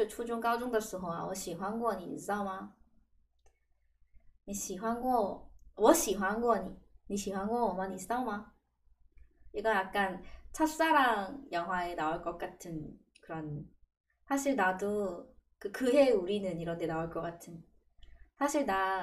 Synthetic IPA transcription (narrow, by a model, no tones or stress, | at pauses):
ɯɭt͡ɕʰud͡ʑuŋk͈aud͡ʑoŋdaɭs͈uɦoma̰wʌɕ͈iɸwaŋɡuʌɲiḭs͈aoma | miɕiɸwaŋɡowʌɕ͈iɸwaŋɡuʌɲimiɕ͈ʰiɸwaŋɡomʌɲis͈aoma | iɡʌjak̚k͈ant͡ɕʰas͈aɾaŋjʌŋɦwaenaoɭk͈ʌk͈̚atʰɯn | kɯɾʌn | sʰaɕʰiɭnadokɯkɯɦeuɾinɯniɾʌndenaoɭk͈ʌk͈atʰɯn | sʰaɕʰiɭna